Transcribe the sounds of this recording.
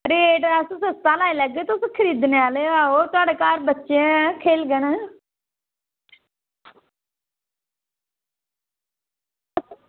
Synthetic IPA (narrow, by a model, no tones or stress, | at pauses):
ɾeʈəsũsəst̪ãːlaːiləɡːeːt̪oskʰəɾiːd̪neaːleaːoːt̪ʊaːɖeːkaːɾbətːʃẽkʰeːlɡənə